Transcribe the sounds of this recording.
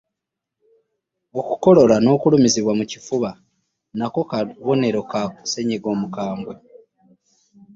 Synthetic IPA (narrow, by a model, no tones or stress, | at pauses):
okuko̞lo̞lano̞ːkulumiziβwamucifuβa | nako̞kaβo̞ne̞ɾo̞kakuse̞ɲeɡo̞ːmukaːmbwe